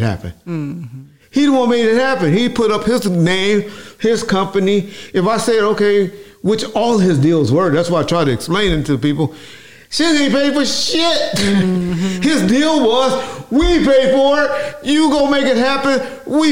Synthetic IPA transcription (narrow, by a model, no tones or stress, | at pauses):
hæ̰pɨ̰̃n | hiɪn̩wʌ̃meɪɾɨt̚hæpɨ̃nipʰʊɾʌphɪznẽɪ̃mɪz̥kʰʌ̃mpɨniɨfaɪsɛɾoʊkeɪ | wɪt͡ʃɔlˠɪzdilˠzwə˞ðætswaɪaɪtʰɹ̥aɪɾɨɨksplẽɪ̃nɪ̃ntʉðəpipl̩ˠ | ʃɪipeɪfə˞ʃɪt̚ | hɪzdilˠwʌzwipʰeɪfə˞jɨɡoʊmeɪkɨt̚ɦæpɨ̃n | wi